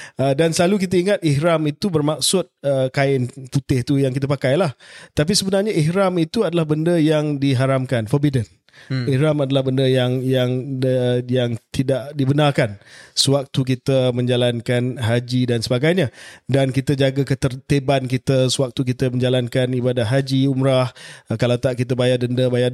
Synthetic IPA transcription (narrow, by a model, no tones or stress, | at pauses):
ədansəlaluk̬it̪əiŋat̪̚ihɾamit̪ubərmak̚sʊt̪̚əkaɪnput̪ɪht̪ujaŋk̬it̪əpakajlaht̪ap̬isəbənarɲaʔihɾamit̪uadalahbəndəjaŋdiɦaɾamkanfɔbidən | ihɾamadalahbəndəjaŋjaŋ | jaŋt̪idaʔdibənarkansəwak̚t̪uk̬it̪əmə̃ɲd͡ʒalankanɦad͡ʒidansəbaɡajɲãdankit̪əd͡ʒaɡakət̪ət̪ebankit̪əsəwak̚t̪uk̬it̪əmə̃ɲd͡ʒalankanibadatɦad͡ʒiumɾahkalawt̪aʔkit̪əbajadəndəbaja